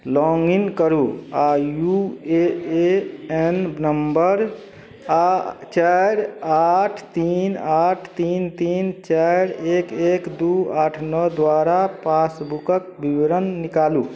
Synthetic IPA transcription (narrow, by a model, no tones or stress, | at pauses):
lɔŋɡinkəɾuajueeennəmbəɾ | at͡ʃaɾaʈʰt̪inaʈʰt̪int̪int͡ʃaɾekekd̪uaʈʰnɔd̪waɾapasbukək̚biwɾənːikalu